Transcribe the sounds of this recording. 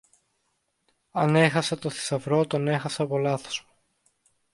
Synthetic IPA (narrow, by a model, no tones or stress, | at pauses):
ɐne̞xɐset̪o̞θi̥sɐvɾo̞t̪o̞ne̞xɐseɐpo̞lɐθo̞z̥mu